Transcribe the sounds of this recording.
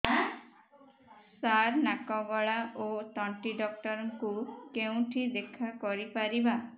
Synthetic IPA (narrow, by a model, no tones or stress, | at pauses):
saɾnakɔbɔɭaʔot̪ɔɳʈiɖɔk̚ʈɔɾɔŋkukeũʈʰid̪ekʰakɔɾipaɾiba